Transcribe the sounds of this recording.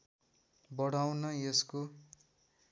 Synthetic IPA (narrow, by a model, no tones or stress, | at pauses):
bʌɽawnʌjesko